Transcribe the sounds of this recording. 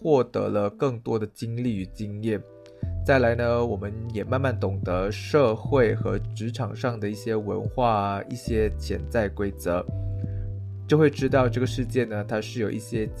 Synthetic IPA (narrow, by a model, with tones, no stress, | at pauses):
xwɔ˥˩t̪ɤ̰˧˥lə˧kɤ˥˩ŋt̪wɔ˥d̪ə˨t͡ɕi˥ŋli˥˩y˧˥t͡ɕi˥ŋjɛ˥˩n | t͡sa˥˩ɪla˧˥ɪnə˧wɔ˨˩mə˦njɛ˨˩ma˥˧nma˥˩nt̪ʊ˨˩ŋd̪ə˧˦ʂɤ˥˧xwe˥˩ɪxɤ˧˥ʈ͡ʂɻ̩˧˥ʈ͡ʂʰɑ˨˩ŋʂɑ˥˩ŋd̪ə˩i˥˩ɕjɛ˥wə̰˧˥nxwa˥˧i˥˩ɕjɛ˥t͡ɕʰjɛ̰˧˥nt͡sa˥˩ɪkwe˥ɪt͡sɤ̰˧˥˦ | t͡ɕjo˥˧ʊxwe˥˧ɪʈ͡ʂɻ̩˥t̪ɑ˥˧ʊʈ͡ʂɤ˥˩ɡə˩ʂɻ̩˥˧t͡ɕjɛ˥˩nə˩t̪ʰa˥ʂɻ̩˥˩jo˨˩ʊʔi˥˩ɕjɛ˥